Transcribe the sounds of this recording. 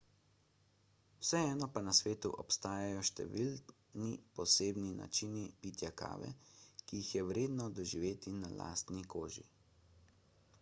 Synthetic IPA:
wsɛɛːnɔpanasʋeːt̪uʔɔpst̪aːjajɔʃt̪ɛ̰ʋil | nipɔseːbnina̰t͡ʃinipit̪jaka̰ːʋɛ̰kijixjɛwɾeːd̪nɔd̪ɔʒiʋeːt̪inala̰ːst̪nikoːʒḭ

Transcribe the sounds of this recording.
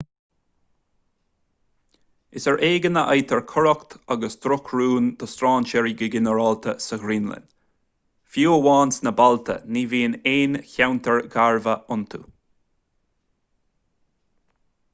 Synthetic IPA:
ɪsəɹʔeːɡənəʔajt̪ʰəɹkʰɔɹɔkt̪ʰaɡəsd̪ɾʊkʰɹuːnd̪əst̪ɾɑːnt͡ʃɛɹiɡɪɡɪnəɹɔlt̪ʰəsəɡɾiːnlə̰n | fjuːwɑːnsnəbalt̪ʰə̰niːviːneːnçawnt̪ʰəɹɡaɹvəʔʊnt̪ʰṵ

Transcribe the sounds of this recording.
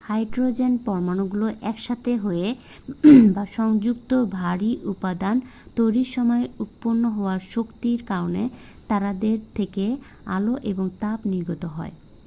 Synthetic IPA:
hajʈɾod͡ʑenpɔɾmanoɡuloʔɛkʃat̪ʰeɦoe | baʃɔŋd͡ʑuk̚t̪obʱaɾiʔupad̪ant̪ojɾiʃɔmɔeut̪̚ponːoɦɔoaɾʃokt̪iɾkaɾone | t̪aɾad̪eɾt̪ʰeke | a̰loʔeboŋt̪apniɾɡot̪oɦɔe

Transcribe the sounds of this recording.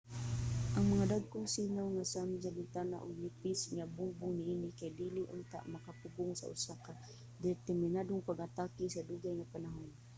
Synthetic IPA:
ʔaŋmaŋad̪aɡ̚kʊŋsinawŋasamzalɪt̪ana̰ʔʊ̰ɡ̚lipɪsŋabʊŋbʊŋnɪʔinɪkajd̪iliʔʊ̰nt̪a̰ʔmakapʊɡʊŋsa̰ʔʊ̰saka | d̪ɪɾt̪ɛrmɪnad̪ʊŋpaɡat̪akisad̪uɡajŋapanaɦʊn

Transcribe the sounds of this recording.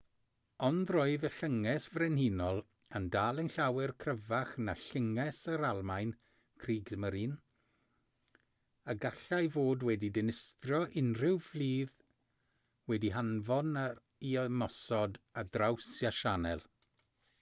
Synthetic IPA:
ɔndroɨðəɬəŋɛsvrɛnhinɔlˠ | əndaːlˠənɬawɛrkʰrəvaχnaɬəŋɛsəɾalˠmajn | kʰriːɡzməɾiːn | aɡaɬajvoːdwɛdidɪnɪstrɔʔɪnrɪwvliːð | wɛdiɦanvɔna | iɔmɔsɔdadrawsjaʃanɛ̰lˠ

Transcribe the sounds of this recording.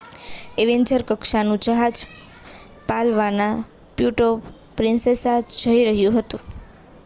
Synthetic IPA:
eʋeɲd͡ʒəɾkəkʃanũd͡ʒəɦad͡ʒ | palʋana | pjuʈo | pɾɪnsesad͡ʒʱəiɾəɦjũɦət̪ũ

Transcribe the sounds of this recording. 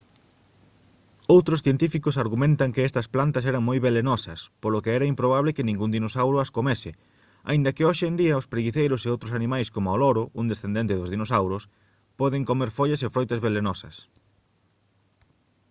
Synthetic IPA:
owt̪ɾoʊsθjent̪ifikʊsaɾɣumẽnt̪ɐŋkɪɛst̪ɐsplant̪ɐs̬ɛɾɐŋmojβelenɔsɐ̰spolokɪɛɾɐimpɾoβ̞aβlekɪnĩŋɡund̪inosawɾʊɐskomɛsɪ | a̰ĩnd̪ɐkɪoʃend̪iɐospɾeɣiθejɾʊseowt̪ɾʊsanĩmajskomʊalɔɾʊʔund̪esθend̪ent̪ɪðʊzðinosawɾʊs | pɔðɪŋkomeɾfoʎɐsefɾojt̪ɐzβelenɔsɐ̰s

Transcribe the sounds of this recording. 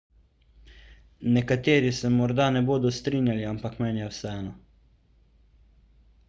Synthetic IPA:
nɛkat̪eːɾisɛmɔɾd̪anɛboːd̪ɔst̪ɾiːnjaliampakmɛnjɛwsɛɛːnɔ

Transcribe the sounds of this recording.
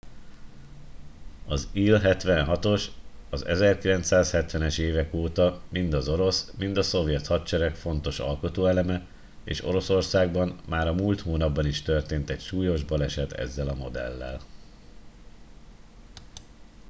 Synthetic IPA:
ɒziːlɦɛt̪ʋɛnɦɒt̪o̞ʃɒzɛ̰zɛrkilɛnt̪saːshɛt̪ʋɛnɛʃeːvɛkoːt̪ɒmind̪ɒzo̞ɾo̞smind̪ɒso̞vjɛt̪hɒt̪t͡ʃɛɾɛkfo̞n̪t̪o̞ʃɒ̰lko̞t̪oːɛlɛmɛ | ḛːʃo̞̰ɾo̞so̞rsaːɡbɒmːaːɾɒmuːlt̪hoːnɒbːɒniʃt̪ø̞rt̪eːnt̪ɛcʃuːjo̞ʒbɒlɛʃɛt̪ʰɛ̰zːɛlɒmo̞d̪ɛ̰lːɛ̰l

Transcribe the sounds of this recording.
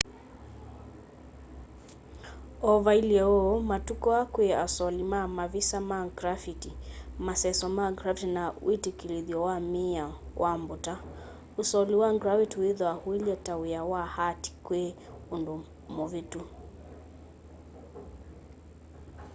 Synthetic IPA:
ɔvailiɛɔmatukɔakweasɔlimamavisamaŋɡɾafitimasɛsɔmaɡɾafitinawitikiliðjɔwamiawʔambuta | usɔliwaŋɡɾafitiwiðɔahuiliɔtawijawahati̥kwe | undu | mɔvitu

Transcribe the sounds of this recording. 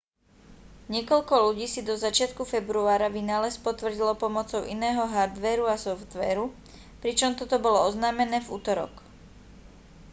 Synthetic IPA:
ɲɪɛkɔlkɔluɟiːsid̪ɔzat͡ʃɪat̪kufɛbɾuaːɾaʋinaːlɛspɔt̪ʋr̩ɟilɔpɔmɔt͡sɔʊʔḭnɛːɦɔɦaɾd̪ʋɛːɾuasɔft̪ʋɛ̰ːɾu | pɾit͡ʃɔmt̪ɔt̪ɔbɔlɔɔznaːmɛnɛːvṵːt̪ɔɾɔ̰k

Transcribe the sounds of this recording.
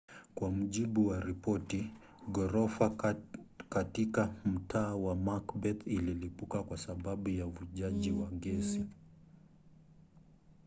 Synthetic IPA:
kwamuʄiɓuwaɾipɔti | ɡɔɾɔfa | katikam̩tʰaːwamakbɛt̪ililipukakwasaɓaɓujavuʄaʄiwaɡɛsi

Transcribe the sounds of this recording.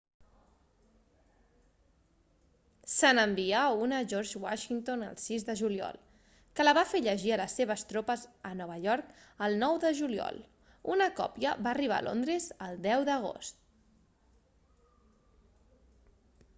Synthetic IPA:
sənəmbiaunəʒɔɾʒwaʃint̪onə̰lˠsizðəʒuliɔ̰lˠ | kələβafeʎəʒiələsːeβ̞əst̪ɾopəzənɔβ̞əʎɔɾkəlˠnɔwðəʒuliɔ̰lˠ | unəkɔ̰pjəβaːriβ̞a̰ːlʔo̰nd̪ɾəzəlˠd̪ɛwðəɣ̞o̰st̪

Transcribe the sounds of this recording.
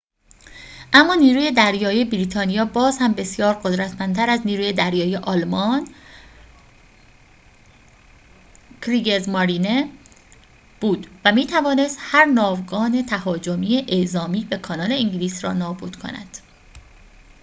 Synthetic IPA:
ʔæmːɒːniːɾuːje̞d̪æɾjɒːijebiɾiːt̪ʰɒːnijɒːbɒːzhæmbe̞sjɒːɾɢod̪ɾæt̪ʰmænt̪ʰæɾæzniːɾuːjed̪æɾjɒːjeʔɒlmɒːn | kʰɾiɡezmɒɾine | b̥uːd̪væmiːt̪ʰævɒːne̞st̪hæɾnɒːvɡɒːne̞t̪ʰæhɒːd͡ʒomiːeʔezɒːmiːbe̞kʰɒnɒːle̞iŋɟliːsɾɒ̰ːnɒːbuːd̪̥kʰo̞̰næ̰d̪̥

